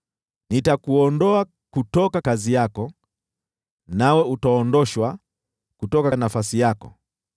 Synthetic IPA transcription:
nitakuɔndɔa | kutɔkakazijakɔ | nawɛutaɔndɔʃwa | kutɔkanafasijakɔ̰

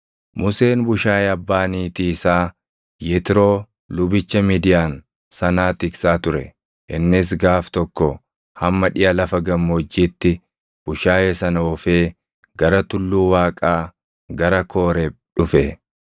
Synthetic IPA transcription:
mʊse̞ːnbʊʃaːjeɐbːaːniːt̪iːɪsaː | jɛt̪ɪɾo̞ː | lʊbɪt͡ʃːɐmiːd̪ɪjaːn | sɐnaːt̪ɪksaːt̪ʊɾɛ̰ | ʔɪnːɪs̬ɡaːft̪ɔkːɔ | hɐmːɐᶑɪjɐlɐfɐɡɐmːɔd͡ʒːiːt̪ːɪ | b̥ʊʃaːjeːsɐnɐɔfeː | ɡɐɾɐt̪ʊlːuːwaːkʼaː | ɡɐɾɐkʰo̞ːɾe | ᶑʊfɛ

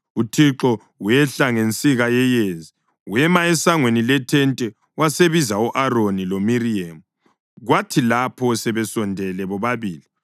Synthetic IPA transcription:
utʰiǁɔ | wɛɬaŋent͡sʼiɣajɛjezi | wɛmaɛsaŋwenilɛtʰɛntʼɛ | waseβizauʔaronilomiriemu | ɣwatʰilapʰɔsɛβɛsɔndʱɛlɛβɔβaβiːli

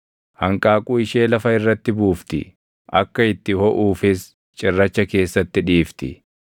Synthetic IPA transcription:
hɐŋkʼaːkʼuːɪʃe̞ːlɐfɐɪrːɐt̪ːɪbuːft̪ɪ̰ | ʔɐkːɐɪt̪ːɪhɔʔuːfɪs | t͡ʃʼɪrːɐt͡ʃːɐke̞ːsːɐt̪ːɪᶑiːft̪ɪ̰

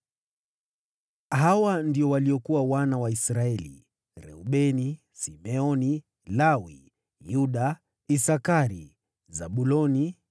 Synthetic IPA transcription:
ɦawandiɔwaliɔkuwawanawaisɾaɛlḭ | ɾɛ̰uɓɛni | simɛɔni | lawḭ | juɗa | isakaɾi | zaɓulɔni

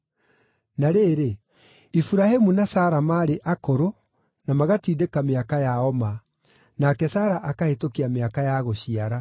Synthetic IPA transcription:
naɾeːɾe | ifuɾahemunasaːɾamaːɾeʔakoɾo | namaɣatiːdekameakajaɔma | nakɛsaːɾaʔakahetokiameakajaɣoɕiaɾa

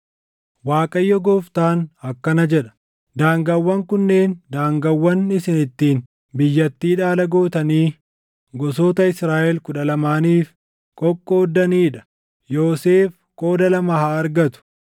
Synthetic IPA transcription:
waːkʼɐjːɔɡoːft̪aːnhɐkːɐnɐd͡ʒɛᶑɐ̥ | d̪aːŋɡɐwːɐŋkʊnːeːnd̪aːŋɡɐwːɐnɪsɪnɪt̪ːiːn | bɪjːɐt̪ːiːᶑaːlɐɡoːt̪ɐniː | ɡɔs̬oːt̪ɐɪsɾaːʔɛlkʊᶑɐlɐmaːniːf | kʼɔkʼːoːd̪ːɐniːᶑɐ̥ | jo̞ːseːf | kʼo̞ːd̪ɐlɐmɐhaːɾɡɐt̪ʊ̥

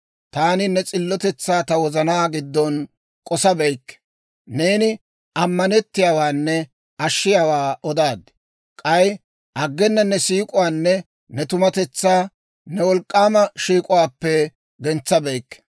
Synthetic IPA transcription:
t̪aːnɪnɛt͡sʼɪlːɔt̪ɛt͡sːaːt̪ɐwɔzɐnaːɡɪd̪ːɔn | kʼɔsɐbɛjkːɛ̥ | ne̞ːnɪ | ʔɐmːɐnɛt̪ːɪjaːwaːnːɛ | ɐʃːɪjaːwaːʔɔd̪aːd̪ | kʼɐj | ʔɐɡːɛnːɐnɛsiːkʼʊwaːnːɛ | nɛt̪ʊmɐt̪ɛt͡sːaː | nɛwɔlkʼːaːmɐʃiːkʼʊwaːpːɛ | ɡɛnt͡sːɐbɛjkːɛ̥

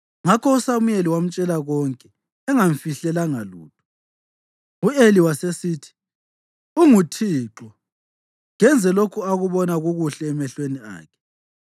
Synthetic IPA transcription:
ŋakʰɔusamujeliwam̩t͡ʃʼɛlaɣɔŋkʼɛː | ŋaɱfiɬɛlaŋalṵːtʰɔ̥ | ueliwasesiːtʰi̥ | uŋutʰiːǁɔ | ŋɛnd͡zʱɛlokʰuaɣuβɔnaɣuɣuɬɛːmɛɬwenia̰ːkʰɛ̥

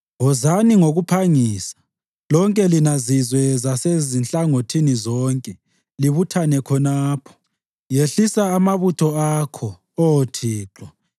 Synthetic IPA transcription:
ɦɔzaniŋoɣupʰaŋiːsḁ | lɔŋkʼɛlinazizwɛzasezinɬʼaŋotʰinizɔːŋkʼɛ | liβutʰanɛkʰɔnaːpʰɔ̥ | jeɬisaːmaβutʰɔakʰɔ | ootʰiːǁɔ

